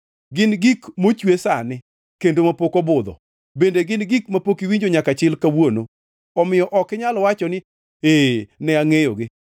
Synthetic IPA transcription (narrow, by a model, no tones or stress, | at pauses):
ɡɪnɡikmot͡ʃwesanɪ | kendomapokɔbʊd̪ɔ̰ | bendeɡɪnɡikmapokiwiɲd͡ʒoɲakat͡ʃɪlkawono | ɔmɪjɔʔɔkɪɲalɔwat͡ʃɔnɪ | enɛaŋejɔɡɪ